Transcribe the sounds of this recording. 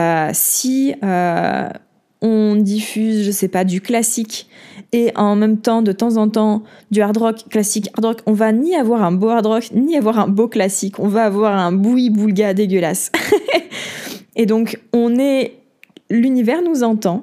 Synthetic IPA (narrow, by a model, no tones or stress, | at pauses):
øsiø | ɔ̃d̪ifyzʒəsɛpad̪yklasikeʔɑ̃mɛmt̪ɑ̃d̪ət̪ɑ̃zɑ̃t̪ɑ̃d̪yaʁd̪ʁɔkːlasikaʁd̪ʁɔkɔ̃vaniavwaʁɛ̃boaʁd̪ʁɔkniavwaʁɛ̃boklasikɔ̃vaːvwaʁɛ̃buibulɡʲad̪eɡʲəlas | ed̪ɔ̃kɔ̃nɛ | lynivɛʁnuzɑ̃t̪ɑ̃